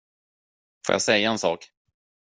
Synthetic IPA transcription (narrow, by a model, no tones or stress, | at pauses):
fo̰ːja̰sɛjːaɛnsɑ̰ːk